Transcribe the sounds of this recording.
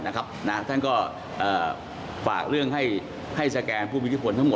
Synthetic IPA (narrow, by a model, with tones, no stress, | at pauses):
na˦˥kʰa˦˥p̚na˦˥t̪ʰa˥˩nkɔː˥˩ | ʔɤː˨˩ | fa̰ː˨˩k̚ɾɯ˥˩əŋɦa˥˩j | ha˥˩jsaː˧kɛː˧npʰuː˥˩mi˦˥t̪ʰi˥pʰo˧nt̪ʰa˦˥ŋmo˨˩